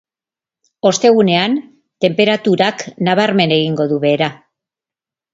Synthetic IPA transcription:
o̞st̪e̞ɣ̞une̞an | t̪e̞mpe̞ɾat̪uɾaknaβaɾme̞ne̞ɣ̞iŋɡo̞ðuβe̞ːɾa

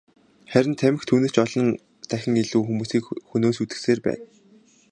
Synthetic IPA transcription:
χæɾʲɪ̆nt̪ʰæmɘ̆xt̪ʰuːnĕːt͡ɕɔɮɞ̆n | t̪æxʲɪ̆ŋiɮuːxumuːsiːkxunoːsut̪ɘ̥̆xseːrpæ̰ːn

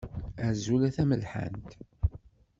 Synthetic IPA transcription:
æɾzulæθæməlħa̰nt̪

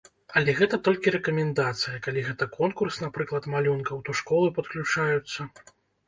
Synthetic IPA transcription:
ɐlʲɛɣɛt̪ɐt̪ɔlʲkʲiɾɛkɐmʲɛnd̪at̪sɨjɐkalʲiɣɛt̪ɐkʰɔnkursnapɾɨklˠɐt̪malʲunkɐwt̪ɔʂkɔlˠɨpɐt̪klʲut͡ʂajut̪sːɐ

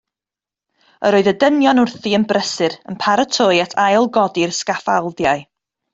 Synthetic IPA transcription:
ə̰ɾoːðədənjɔnʊrθiənbrəsɨɾənpʰaɾətʰojatʰajlˠɡɔdɪrskafa̰lˠdjaɨ

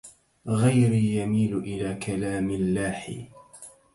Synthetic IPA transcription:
ɣajɾijamiːlʊʔɪlaːkʰalaːmɪlːaːħɪ̰

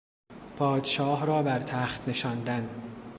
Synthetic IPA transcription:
pʰɒːd̪ʃɒːhɾɒːbæɾt̪ʰæːxt̪ne̞ʃɒːnd̪æn

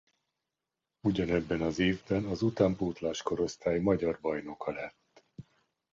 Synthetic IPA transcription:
uɟɒnɛbːɛnɒzeːvbɛnɒzut̪aːmpoːt̪laːʃko̞ɾo̞st̪aːjimɒɟɒrbɒjno̞kɒlɛt̪ː

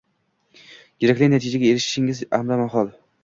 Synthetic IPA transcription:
kʲeɾakʲlʲɪɡʲnat̪ʰid͡ʒaɡʲaeɾɪʃʃɪŋɪza̰hmd̪amaɦɒlˠ

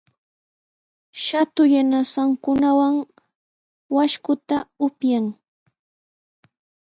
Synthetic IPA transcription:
ʃat̪ʊjanasaŋkʊnawaŋ | waʃkʊt̪aʊpjaŋ

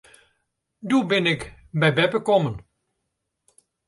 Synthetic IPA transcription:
duːbɪnɪk | bɛjbɛbəkɔmən

